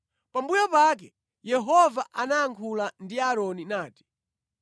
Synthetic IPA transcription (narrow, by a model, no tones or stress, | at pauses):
pambujɔpak̬ɛ | jɛɦɔvaʔanaːŋkʰulandiaɾɔninaːti̥